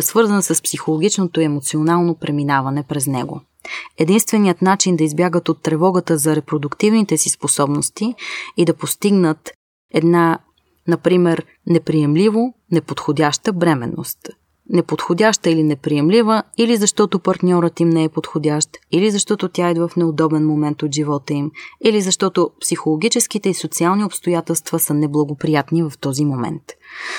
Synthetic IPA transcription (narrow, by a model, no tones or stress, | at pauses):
svɤɾzənsəspsixolˠoɡʲit͡ʃnot̪oiɛmot̪sionalˠnopɾɛminavɐnɛpɾɛznɛɡo̰ | ɛd̪inst̪vɛnijət̪nat͡ʃind̪ɐizbjaɡət̪ot̪ːɾɛvɔɡət̪əzɐɾɛpɾod̪ʊkt̪ivnit̪ɛsisposɔbnost̪iid̪ɐpost̪iɡnət̪ | ɛd̪na | nɐpɾimɛɾ | nɛpɾiɛmlivonɛpot̪xodʲaʃt̪əbɾɛmɛ̰nːo̰st̪ | nɛpot̪xod̪ʲaʃt̪əilinɛpɾiɛmlivəilizɐʃt̪ɔt̪opɐɾt̪nʲɔɾət̪imnɛɛpot̪xod̪ʲaʃt̪ilizɐʃt̪ɔt̪ot̪ʲjaɛd̪vəfnɛod̪ɔbɛnmomɛnt̪ot̪ʒivɔt̪əimilizɐʃt̪ɔt̪opsixolˠoɡ̟ʲit͡ʃɛsk̟it̪ɛisot̪sialˠniopst̪ojat̪ɛlˠst̪vəsənɛblˠɐɡopɾijat̪nivɐft̪ɔzimomɛ̰nt̪